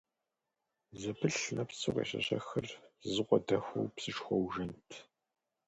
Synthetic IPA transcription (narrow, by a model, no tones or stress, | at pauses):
zɐpʰɨɬnɐpsʰɨʁḛːɕɐ̰ɕɐxɐrzɨqʷɔdɐxʷɐ̰wpsɨʃxʷɔwʒɐntʰ